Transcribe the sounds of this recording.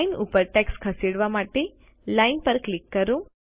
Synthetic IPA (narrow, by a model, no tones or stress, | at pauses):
inupəɾʈɛkskʰəseɽʋamaʈe | lainpəɾklɪkːəɾũ